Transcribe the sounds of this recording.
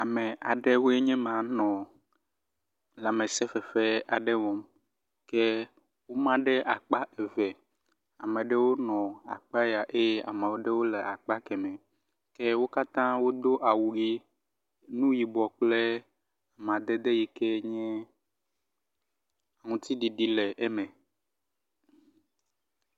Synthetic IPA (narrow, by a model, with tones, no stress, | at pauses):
a˨mɛ˨a˨ɖe˦wo˦e˦ɲɛ̃˦mã˨˦nɔ̃˨ | lɛ˨a˨mẽ˨sɛ˦fɛ˨fɛ˦a˨ɖɛ˦vɔ˨˦m | ke˦ | wo˦mã˦ɖɛ˦ʔa˨k͡pa˦e˨vɛ˨ | a˨me˨ɖe˦wo˦nɔ̃˨a̰˨k͡pa˦ja˨ʔe˦ja̰˨mã˨wo˦ɖe˦wo˦le˨a˨k͡pa˦kɛ˨mɛ̃˨ | kɛ˦wo˦ka˦t̪ã˦wo˦d̪o˦ʔa˨wu˨ɡi˦ | nũ˦ji˨bɔ˨k͡plɛ˦ | a˨m˨ã˨d̪ɛ˦d̪e˦ji˦kɛ˦ɲɛ̃˦ | a˨ŋũ˦t̪i˦ɖi˨ɖi˦lɛ˨ʔɛ˦mɛ̃˨